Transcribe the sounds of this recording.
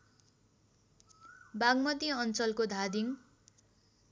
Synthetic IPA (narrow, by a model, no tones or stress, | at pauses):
baɡmʌt̪iʌnt͡sʌlkod̪ʱad̪iŋ